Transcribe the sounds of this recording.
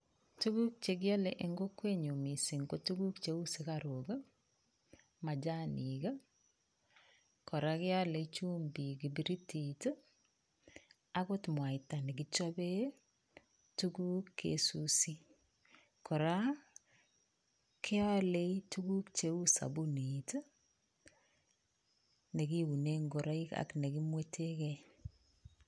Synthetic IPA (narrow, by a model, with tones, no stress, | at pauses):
tu˦ɡu˦k̚t͡ʃe˨ɡɪ˦a˦le˨ʔe˨ŋɡo˦kwe˦ɲo˨mi˨si˨ŋko˦tu˦ɡu˦kt͡ʃe˦u˦se˨ka˨ɾo˨ɡa˦ | ma˨d͡ʒa˦ni˨ɡa˦ | kɔ˨ɾa˦kɪ˦a˦le˨i˦t͡ʃu˦mbi˨ɡi˨bi˨ɾi˦ti˨t | a˦ɡo˦tmwa˨ɪ˨ta˨nɪ˨ɡɪ˦t͡ʃɔ˦be˦ | tu˦ɡu˦kʰːḛ˦susi˦ | kʰɔ˨ɾa˦ | kʰɪ˦a˦le˦itu˦ɡu˦kt͡ʃe˨˦u˦sa̰˨bu˦ni˨tə˦ | ne˨ɡi˦wu˨ne˦ŋɡo˨ɾa˦i˦ka̰˨kne˨ɡi˦mwe˦tʰe˦kɛ